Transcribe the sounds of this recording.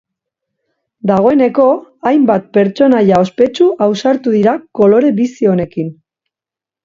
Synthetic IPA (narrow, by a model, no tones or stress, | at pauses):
d̪aɣ̞o̞e̞ne̞ko̞ajmbat̪̚pe̞ɾt͡so̞najao̞spe̞t͡ʃuʔawsaɾt̪uðiɾako̞lo̞ɾe̞βisio̞ne̞kin